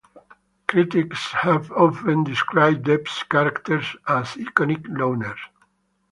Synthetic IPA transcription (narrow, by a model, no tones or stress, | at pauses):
kɾit̪ikshævɔfə̃nd̪ɪskɾaɪb̚d̪ɛpskæɾakt̪əɾsæzikɔnikloʊnəɹ